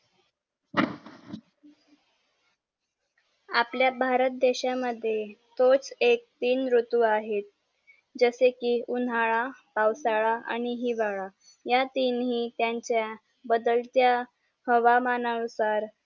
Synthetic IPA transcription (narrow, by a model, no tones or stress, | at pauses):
apljabʱaɾət̪̚d̪eɕaməd̪ʱːjet̪ot͡sek̚t̪iːnɾut̪uaɦet̪̚ | d͡zəsekiːunaɭapawsaɭaa̰ñiɦiːʋaɭa | jat̪iːnɦiːt̪jaɲt͡ɕja | bəd̪əlt̪ja | həʋamanausaɾ